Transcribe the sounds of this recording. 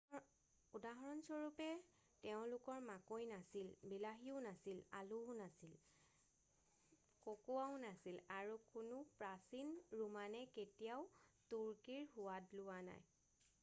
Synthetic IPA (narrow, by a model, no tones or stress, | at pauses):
udaɦɔɹɔnsɔɹupɛ | tɛʊ̃lʊkɔɹmakojnasilbilaɦiʊnasilalunasil | kokoaʊnasilaɹukʊnupɹasinɹumanɛketijaʊtuɹkiɹhʊwatlʊwana̰j